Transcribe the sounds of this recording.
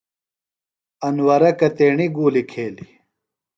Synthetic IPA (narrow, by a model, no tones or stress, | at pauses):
ɐnwɐɾɐkɐt̪eːɳiɡuːlikʰeːli